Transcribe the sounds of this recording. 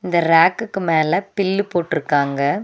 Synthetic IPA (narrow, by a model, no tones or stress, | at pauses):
ɪnd̪ɐɾaːkːɯkːɯmeːlɐpɪlːɯpːoːʈːɪɾɯkːaːŋɡɐ